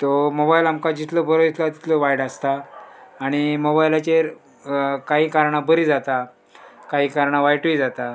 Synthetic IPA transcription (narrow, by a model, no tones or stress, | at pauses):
t̪omobailamkad͡ʑit̪lɔbəɾod͡ʑit̪lat̪i̥t̪ʰloʋajɽast̪aː | ɽ̃imobailat͡ɕeɾ | kaɦiːkaɾɳabəɾiːd͡zat̪a | kaɦiːkaɾɳaʋajʈuid͡zat̪a